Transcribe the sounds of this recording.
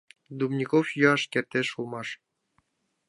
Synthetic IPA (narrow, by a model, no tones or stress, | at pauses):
d̪umnʲikofjøɑʃkert̪ʲeʃulˠmɑʃ